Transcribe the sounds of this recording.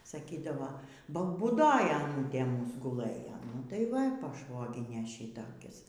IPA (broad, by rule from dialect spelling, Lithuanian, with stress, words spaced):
sɐˈkʲiːdɐʋoː bɐ buːˈdoːj ɐˈnuːtʲeː ˈmuːs ɡʊˈlˠɘjoː nʊ tɐɪ ˈʋɐ pɐˈʃʋoːɡʲɪnʲeː ˈʃʲɪtoːkʲɪs